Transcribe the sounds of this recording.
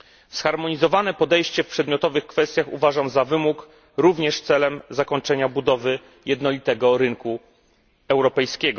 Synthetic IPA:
sxaɾmɔɲizɔvanɛpɔd̪ɛjɕt͡ɕɛfpʂɛd̪mʲjɔt̪ɔvɘxkfɛst̪ʲjaxuvaʐamzavɘmuk | ɾuvɲɛʂt̪sɛlɛmzakɔɲt͡ʂɛɲabud̪ɔvɘ | jɛd̪nɔlʲit̪ɛɡɔɾɘŋku | ɛwɾɔpɛjskʲɛɡɔ

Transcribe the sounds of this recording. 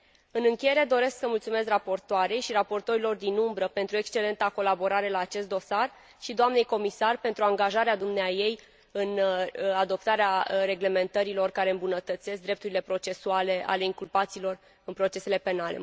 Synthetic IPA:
ɨnɨŋkʲeje̞ɾe̞d̪o̞ɾe̞sksəmult̪sume̞srapo̞rt̪oaɾe̞jʃiɾapo̞rt̪o̞ɾilo̞rd̪inumbɾəpe̞nt̪ɾue̞kst͡ʃe̞le̞nt̪ako̞labo̞ɾaɾe̞laːt͡ʃe̞st̪̚d̪o̞sar | ʃid̪oamne̞jko̞misarpe̞nt̪ɾuaŋɡaʒaɾead̪umneaje̞j | ɨnad̪o̞p̚t̪aɾeaɾe̞ɡle̞me̞nt̪əɾilo̞rkaɾe̞ɨmbunət̪ət̪se̞sk̚d̪ɾe̞p̚t̪uɾile̞pɾo̞t͡ʃe̞suale̞ʔa̰le̞iŋkulpat̪silo̞r | ɨnpɾo̞t͡ʃe̞se̞le̞pe̞nale̞̰

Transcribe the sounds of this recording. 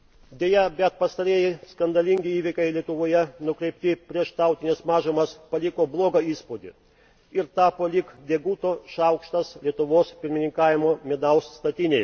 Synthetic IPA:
d̪ʲeːjɛbʲɛt̪̚pɐst̪ɐɾʲeːjɛɪskɐnd̪ɐlʲɪŋʲɡʲɪiːʋʲɪkʲɐɪlʲiɛt̪ʊʋoːjɛnʊkɾʲɛɪp̚ʲt̪ʲɪpʲɾʲiɛʃt̪ɑˑʊt̪ʲɪnʲɛsmɑːʒomɐspɐlʲɪkoːblˠoːɡɐiːspod̪ʲɪ̰ | ɪɾt̪ɑːpoːlʲɪkd̪ʲeɛɡuːt̪oːʃɐˑʊkʃt̪ɐslʲiɛt̪ʊʋoːspʲɪɾʲmʲɪnʲɪŋkɑːʋʲɪmoːmʲɛd̪ɐʊsst̪ɐt̪ʲɪnʲej

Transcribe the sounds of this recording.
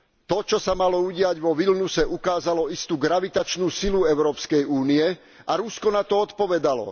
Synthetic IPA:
t̪ɔt͡ʃɔsamalɔuɟɪaɟʋɔʋilnusɛʔukaːzalɔist̪uːɡɾaʋit̪at͡ʃnuːsiluɛʊɾɔːpskɛjuːniɛ | aɾuskɔnat̪ɔɔt̪pɔʋɛd̪alɔ̰

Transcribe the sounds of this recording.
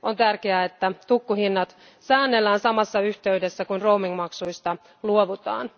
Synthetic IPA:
ʔont̪ærkeæet̪ːæt̪ukːuhinːɑt̪ | sæːnːelːæːnsɑmɑsːɑyçt̪e̞yde̞sːækunroumiŋmɑksujst̪ɑ | luoʋut̪ɑ̰ːn

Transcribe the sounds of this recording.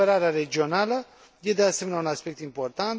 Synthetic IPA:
eɾaɾaɾed͡ʒionalə | jed̪easemenʲaunaspek̚t̪import̪ant̪

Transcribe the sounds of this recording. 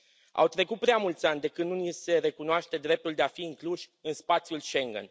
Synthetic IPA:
a̰wt̪ɾe̞kut̪̚pɾeamult̪sʲanʲd̪e̞kɨnd̪nunise̞ɾe̞kunoaʃt̪e̞d̪ɾe̞p̚t̪uld̪e̞afiːŋkluʃʲɨnspat̪sʲjulʃe̞ŋɡə̰n

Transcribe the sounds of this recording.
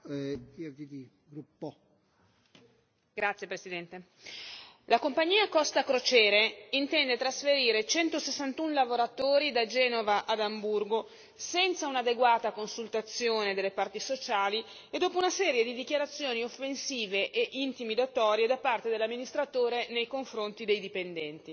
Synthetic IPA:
ɛd̪id̪i | ɡɾupːo | ɡɾat̪sːjepɾesid̪ɛnt̪e | lakompaɲːiːakɔst̪akɾot͡ʃɛːɾeint̪ɛnd̪et̪ɾasfeɾiːɾet͡ʃɛnt̪osesːant̪unlavoɾat̪oːɾid̪ad͡ʒɛːnovaʔad̪amburɡo | sɛnt̪saunad̪eɡwaːt̪akonsult̪at̪sːjoːned̪elːepart̪isot͡ʃaːli | ed̪ːoːpounasɛːɾjed̪id̪ikjaɾat̪sːjoːniofːensiːveʔeʔint̪imid̪at̪ɔːɾjed̪apart̪ed̪elamːinist̪ɾat̪oːɾenejkoɱfɾont̪id̪ejd̪ipend̪ɛnt̪i

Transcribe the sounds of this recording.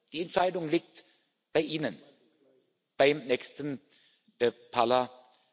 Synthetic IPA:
d̪̥iːɛnt̪ʃæɪd̪ʊŋlɪɡ̚t̪ | b̥aɪʔɪnən | b̥aɪmnɛkst̪ən | pʰɑlɐ

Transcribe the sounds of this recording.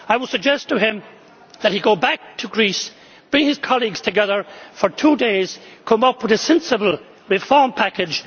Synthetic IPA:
aɪwədsɨɡ̚d͡ʒɛstʰəɪ̃m | ðɨt̚hiɡoʊbæk̚tʰəɡɹis | b̥ɹɪ̃ŋɨz̥kʰɑlˠiɡz̥tʰɨɡɛðə˞fə˞tʰudeɪz̥kʰʌ̃mʌpʰwɨðɨsɛ̃nsɨbəl̩ˠ | ɹɨfɔɹmpʰækɨ̥ʒ̥

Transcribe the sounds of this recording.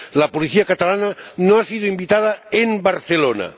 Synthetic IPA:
lapuliθiakat̪alananoasiðuimbit̪aðaembaɾθelona̰

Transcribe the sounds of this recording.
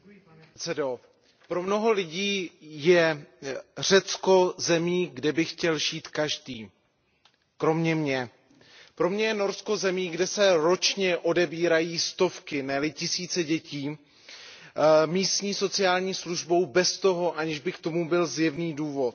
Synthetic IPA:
t͡sɛdo | pɾo̞mno̞ɦo̞lɪɟiːjɛ | r̝̥ɛt͡sko̞zɛmiːɡdɛbɪxcɛlʒiːt̪kaʒdiː | kɾo̞mɲɛmɲɛ | pɾo̞mɲɛjɛno̞ɾsko̞zɛmiːɡdɛsɛɾo̞t͡ʃɲɛʔo̞dɛbiːɾajiːst̪o̞fkɪnɛlɪcɪsiːt͡sɛɟɛciː | miːst̪ɲiːso̞t͡sɪaːlɲiːsluʒbo̞wbɛst̪o̞ɦo̞ʔaɲɪʒbɪkt̪o̞mubɪlzjɛvniːduːvo̞t̪

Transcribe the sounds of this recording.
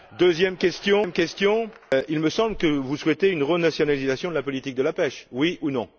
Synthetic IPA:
d̪øzjɛmkʲɛst̪jɔ̃mkʲɛst̪jɔ̃ilməsɑ̃bləkəvuswɛt̪eynʁənasjɔnalizasjɔ̃d̪əlapɔlit̪ik̚d̪əlapɛʃwiunɔ̃

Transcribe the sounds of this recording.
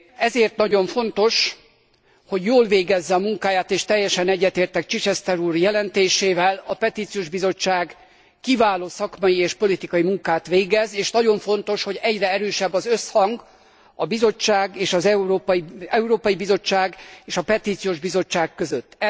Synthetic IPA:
ɛzeːrt̪nɒɟo̞ɱfo̞nt̪o̞ʃ | ho̞ɟjoːlveːɡɛzːɛɒmuŋkaːjaːt̪eːʃt̪ɛjːɛʃɛnɛɟːɛt̪eːrt̪ɛkt͡ʃit͡ʃɛst̪ɛɾuːrjɛlɛnt̪eːʃeːvɛlɒpɛt̪iːt̪sijoːʒbizo̞t͡ʃːaːɡ | kivaːloːsɒkmɒjieːʃpo̞lit̪ikɒjimuŋkaːt̪ʋeːɡɛzeːʃnɒɟo̞ɱfo̞nt̪o̞ʃho̞ɟɛɟrɛɛɾøːʃɛbːɒzøshɒŋɡ | ɒbizo̞t͡ʃːaːɡeːʃɒzɛuɾoːpɒiɛuɾoːpɒjibizo̞t͡ʃːaːɡeːʃɒpɛt̪iːt̪sijoːʒbizo̞t͡ʃːaːkːøzøt̪ː

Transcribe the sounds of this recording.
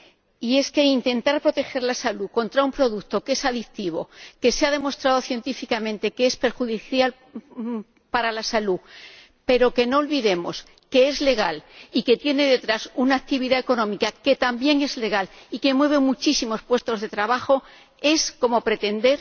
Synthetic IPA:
ie̞ske̞int̪e̞nt̪aɾpɾo̞t̪e̞xe̞ɾlasalukõ̞nt̪ɾaumpɾo̞ðukt̪o̞ke̞saðikt̪iβo̞̰ke̞seaðe̞mo̞st̪ɾaðo̞θje̞nt̪ifikamẽ̞nt̪e̞keespe̞ɾxuðiθjal | paɾalasalu | pe̞ɾo̞ke̞no̞ːlβiðe̞mo̞̰s | ke̞e̞zle̞ɣ̞alike̞t̪je̞ne̞ðe̞t̪ɾasunaːk̚t̪iβ̞iðae̞ko̞nõ̞mikake̞t̪ambje̞ŋe̞zle̞ɣ̞alike̞mwe̞β̞e̞mut͡ʃisimo̞spwe̞st̪o̞zðe̞t̪ɾaβaxo̞ | e̞sko̞mo̞pɾe̞t̪e̞nd̪e̞ɾ

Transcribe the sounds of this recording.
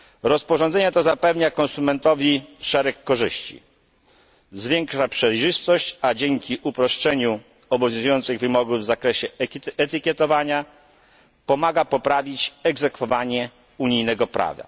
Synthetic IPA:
ɾɔspɔʐɔnd̪zɛɲɛt̪ɔzapɛvɲakɔ̃nsumɛnt̪ɔvʲiʂɛɾɛkːɔʐɘ̰ɕt͡ɕḭ | zvʲjɛŋkʂapʂɛjʐɘst̪ɔɕt͡ɕad͡ʑɛŋkʲiʔupɾɔʂt͡ʂɛɲu | ɔbɔvʲjɔ̃zujɔnt̪sɨɣvɘmɔɡuvzakɾɛɕɛɛt̪ɘkʲjɛt̪ɔvaɲa | pɔmaɡapɔpɾavʲit͡ɕɛɡzɛkfɔvaɲɛ | uɲijnɛɡɔpɾʔa̰va̰

